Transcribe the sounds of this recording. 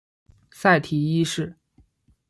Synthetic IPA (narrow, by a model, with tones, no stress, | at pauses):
sa˥˩ɪt̪ʰi˨˩i˥ʂɻ̩˥˩